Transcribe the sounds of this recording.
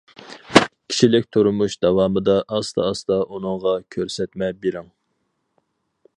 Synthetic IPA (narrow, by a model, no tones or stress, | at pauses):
kʲʰi̥ʃilɪk̚ʲt̪ʰuɾumuʃd̪̥ɑwɑːmɨd̪ɑʔɑst̪ɑ̰ːst̪ɑʔunɨŋʁɑkʲʰøɾsɛt̪mɛbeɾɪŋ